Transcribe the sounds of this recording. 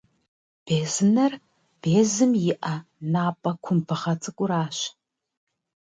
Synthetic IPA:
b̥eːzɨnɐr | b̥eːzɨmjɪʔɐnaːpʼɐkʷʰʊmpʰɨχɐt͡sʰɨkʷʼʊɾaːɕ

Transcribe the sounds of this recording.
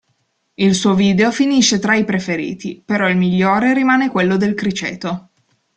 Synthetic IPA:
ilsuːoviːd̪eofiniʃːet̪ɾaipɾefeɾḭːt̪ipeɾɔilmiʎːoːɾeɾimaːnekwelːod̪elkɾit͡ʃḛːt̪o

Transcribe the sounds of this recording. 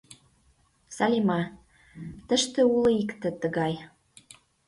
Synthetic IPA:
sɑlʲimɑ | t̪ə̆ʃt̪ĕulɤ̆ikt̪ĕt̪ə̆ɣɑj

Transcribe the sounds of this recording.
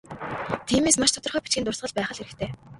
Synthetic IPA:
t̪ʰiːmeːsmaʃt̪ʰɔ̥t̪ɞ̆rχœːpi̥t͡ɕɡiːnt̪ʊrsʁə̆ɮpæːχə̆ɮeɾɘ̆kt̪ʰeː

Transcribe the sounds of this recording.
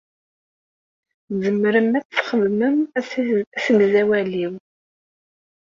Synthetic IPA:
zəmɾəmæt͡sθχəðməm | æsənzæwæliw

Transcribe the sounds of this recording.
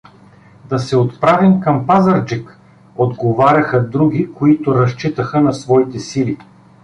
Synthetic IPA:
d̪ɐsɛot̪pɾavimkɐmpazɐɾd͡ʒik | od̪ɡovaɾʲɐxəd̪ɾuɡ̟ʲikoit̪ʊɾɐʃt͡ʃit̪əxənɐsvɔit̪ɛsili

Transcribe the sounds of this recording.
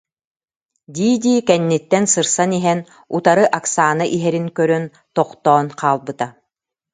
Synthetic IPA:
d̪ʲiːd̪iːkɛnːit̪ːɛnsɯɾsaniɦɛn | ut̪aɾɯʔaksaːnaʔiɦɛɾiŋkœɾœn | t̪ɔqt̪ɔːnqaːlˠbɯt̪a

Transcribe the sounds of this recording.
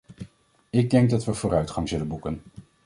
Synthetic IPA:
ɪɡ̚dɛŋɡ̚dɑtʋəv̥ʊːɾœɥtχɑŋzɵlənbukən

